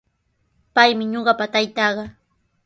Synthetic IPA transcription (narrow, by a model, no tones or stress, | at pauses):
pajmɪɲoɢɑpat̪ajt̪ɑɢɑ